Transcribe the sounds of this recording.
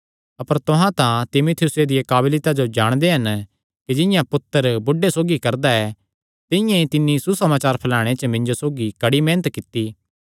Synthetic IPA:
ɐpəɾt̪ʊɦãt̪ãt̪ɪmut̪ʰjʊsed̪ɪjekaːblɪt̪ad͡ʒod͡ʒaːɽ̃d̪eɦɐn | kid͡ʒɪ̃jãpʊt̪ːəɾbʊɖesoːɡikɐɾd̪aɛ | t̪ɪjãĩt̪ɪnːisusɐmaːt͡ʃaːɾpʰɐlaːɽ̃et͡ʃəmɪ̃nd͡ʒosoːɡikɐɽimeːnət̪kɪt̪ːi

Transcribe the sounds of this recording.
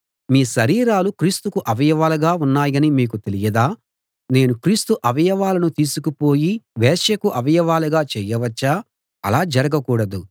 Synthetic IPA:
miːʃɐɾiːɾaːlukɾiːst̪ukuʔɐʋɐjɐʋaːluɡaːunːaːjɐnimiːk̬ut̪e̞lijɐd̪aː | ne̞ːnukɾiːst̪uʔɐʋɐjɐʋaːlɐnut̪iːsukupo̞ːjiʋɛːʂjɐkuʔɐʋɐjɐʋaːluɡaːt͡ʃɛːjɐʋɐt͡ʃːaː | ɐ̰laːd͡ʒɐɾɐɡɐkuːɽɐd̪u

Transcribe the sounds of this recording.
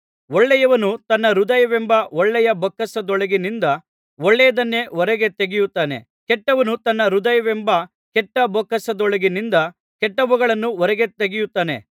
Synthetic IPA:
ɔɭːɛjɐʋɐnut̪ɐnːɐɾud̪ɐjɐʋɛmbɐɔɭːɛjɐbɔkːɐsɐd̪ɔɭɐɡinind̪ɐ | ɔɭːɛjɐd̪ɐnːe̞ɔɾɛɡe̞t̪eɡijut̪ːaːne̞̰ | kɛʈːɐʋɐnut̪ɐnːɐɾud̪ɐjɐʋembɐ | kɛʈːɐbɔkːɐsɐd̪ɔɭɐɡinind̪ɐ | kɛʈːɐʋuɡɐɭɐnːuɔɾɛɡe̞t̪eɡijut̪ːaːne̞̰

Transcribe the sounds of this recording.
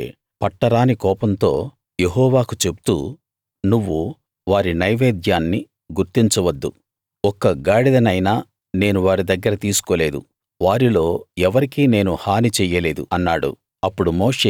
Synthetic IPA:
pɐʈːɐɽaːnikɔːpɐnt̪o̞̰ː | je̞ɦɔːʋaːkut͡ʃe̞bu̥t̪ṵː | nuʋːu | ʋaːɾinɐjʋeːd̪jaːnːi | ɡuɾt̪iɲt͡ʃɐʋɐd̪ːṵ | ɔkɐɡaːɽid̪ɐnɐjnaː | ne̞ːnuʋaːɾid̪ɐɡːɐɾɐt̪iːsu̥ko̞ːle̞ːd̪ṵ | ʋaːɾilo̞ːɛʋɐɾikine̞ːnuhaːnit͡ʃɛjɐle̞ːd̪ṵɐnːaːɽṵ | ɐpːuɽumo̞ːʂeː

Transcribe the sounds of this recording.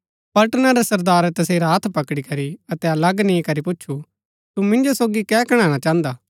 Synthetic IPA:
pɐʈnaɾɛsɐɾd̪aːɾt̪ɐseːɾaɦt̪ʰpɐkɽikɐɾiɐt̪ɛɐlɐɡnĩkɐɾipʊt͡ʃːʃʰu | t̪umɪ̃nd͡ʒosoːɡikɛːkɐɽ̃ãːɽ̃at͡ʃãːnd̪aː

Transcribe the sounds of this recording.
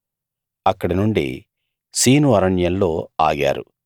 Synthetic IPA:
ɐkːɐɽɐnuɳɖḭ | siːnuʋɐɾɐɳjɐnlo̞ːaːɡa̰ːɾu

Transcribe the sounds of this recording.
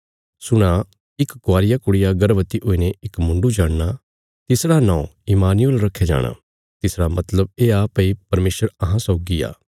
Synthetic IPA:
sʊɽ̃a | ɪkɡʊaːɾɪjakʊɽɪjaɡɐɾʋət̪iʔoːineʔɪkmʊ̃ɳɖud͡ʒaːɽna | t̪ɪsɽanãːõɪmaːnɪjəlɾɐkʰːed͡ʒa̰ːɽ̃a̰ | t̪ɪsɽamɐt̪ləb̚eːaːpəipɐɾmeːsəɾɐɦãsɔːɡia̰ː

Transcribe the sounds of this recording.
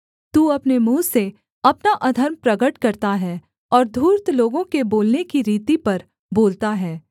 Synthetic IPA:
t̪uːɐpnemũːse | ɐpnaʔɐd̪ʱəɾmpɾɐɡəʈkɐɾt̪aɦɛː | ɔːɾd̪ʱuːɾt̪loːɡõkeboːlnekiɾiːt̪ipɐɾ | boːlt̪aɦɛː

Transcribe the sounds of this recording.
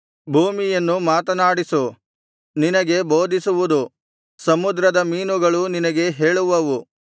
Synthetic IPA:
bʱuːmijɐnːumaːt̪ɐnaːɽisu | ninɐɡe̞bo̞ːd̪ʱisuʋud̪u | sɐmud̪ɾɐd̪ɐmiːnuɡɐɭuninɐɡe̞ɦe̞ːɭuʋɐʋu

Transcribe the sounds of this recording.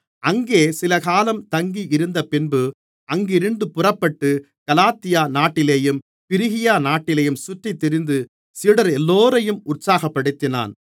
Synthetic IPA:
ɐŋɡeːsɪlɐkaːlɐmt̪ɐŋɡiʔɪɾɯnd̪ɐpɪnbɯ | ɐŋɡɪɾɯnd̪ɯpʊrɐpːɐʈːɯ | kɐlaːt̪ɪjaːnaːʈːɪleːjɯm | pɪɾɪɣɪjaːnaːʈːɪleːjɯmsʊʈrit̪ːɪɾɪnd̪ɯ | siːɽɐɾɛlːoːɾɐjɯmʊʈsaːɣɐpːɐɽɯt̪ːɪna̰ːn

